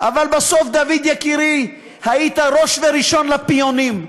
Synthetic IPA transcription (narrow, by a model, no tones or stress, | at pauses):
ʔavalbaso̞fd̪avid̪jakiɾi | hait̪aɾo̞ʃveɾiʃo̞nlapijonim